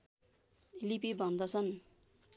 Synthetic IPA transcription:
lipibʱʌnd̪ʌsʰʌn

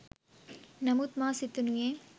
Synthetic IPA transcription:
nɐmut̪maːsit̪ːunujeː

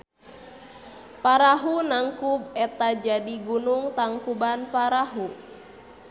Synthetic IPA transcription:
paɾaɦunaŋkubɛt̪ad͡ʒadiɡunuŋt̪aŋkubanpaɾaɦu

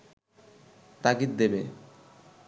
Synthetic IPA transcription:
t̪akit̪̚d̪ebe

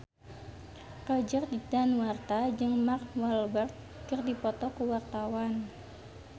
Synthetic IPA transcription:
kəd͡ʒərdit̪anwart̪ad͡ʒɨŋmakwalbərt̪̚ | kərdipɔt̪ɔkuwart̪awan

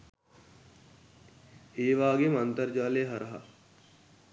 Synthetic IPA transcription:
eːʋaːɡemɐnt̪əɾd͡ʒaːleːɦɐɾɐɦa̰

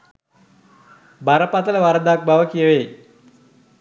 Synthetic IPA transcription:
baɾəpat̪ələʋaɾəd̪ak̚baʋəkijəʋe

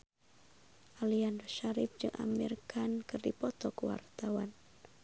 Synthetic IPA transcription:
ʔalianrɔʃaɾɪp̚d͡ʒɨŋʔa̰mirkankɨrdipɔt̪ɔkəwa̰rt̪awa̰n

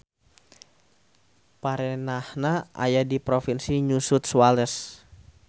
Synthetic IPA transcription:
paɾɛnahnaʔa̰jadipɾofinsiɲusut̪̚swalɛs

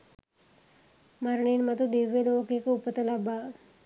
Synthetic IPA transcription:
maɾɳinmat̪ud̪eʋelokekupət̪əlaba

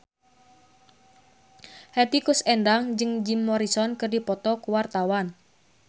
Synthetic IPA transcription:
hɛt̪ikusɛndaŋd͡ʒɨŋd͡ʒimːɔɾisɔnkɨrdipɔt̪ɔkuwart̪awan

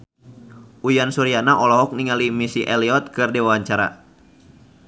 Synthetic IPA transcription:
ʔujansuɾianaʔɔlɔɦɔk̚niŋalimisiʔɛliɔt̪̚kɨrdewawaɲt͡ʃaɾa̰

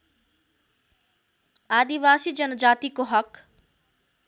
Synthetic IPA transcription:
aːd̪iʋaːsiːd͡ʑɐnd͡ʒaːt̪ikoɦɐk

